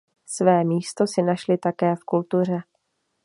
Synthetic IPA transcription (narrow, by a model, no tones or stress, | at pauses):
svɛːmiːst̪o̞sɪnaʃlɪt̪akɛːfkult̪ur̝ɛ